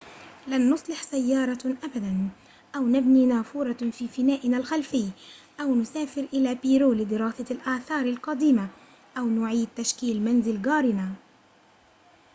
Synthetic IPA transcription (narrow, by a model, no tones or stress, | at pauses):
lanːʊsˤlɪħsajːɑːɾˤɑʔabad̪an | ʔawnabniːnaːfuːɾˤɑfiːfɪnaːʔɪnalxalfɪj | ʔawnʊsaːfɪɾʔɪlaːpiːɾuːlɪd̪ɪɾɑːsalʔaːθɑːɾˤalqɑd̪iːma | ʔawnʊʕiːd̪̚t̪ːaʃkiːlmanzɪlɡɑːɾɪna